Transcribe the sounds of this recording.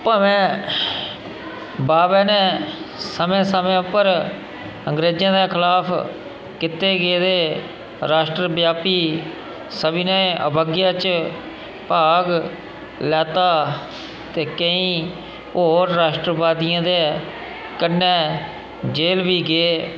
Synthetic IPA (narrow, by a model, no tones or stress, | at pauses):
pãːmɛ̃ː | baːbɛːnẽːsəmẽːsəmẽːʊpːəɾ | əŋɡɾeːd͡ʒjãːd̪eːkʰɪlaːpʰ | kɪt̪ːeːɡeːd̪eː | ɾaːʃʈɾəbjaːpiː | səbiːnẽʔə̰bʱəɡjaːt͡ʃ | paːɡ | lɛːt̪aː | t̪eːkəĩː | oːɾɾaːʃʈɾəbaːd̪ɪjãːd̪eː | kənːɛː | d͡ʒeːlbiːɡeː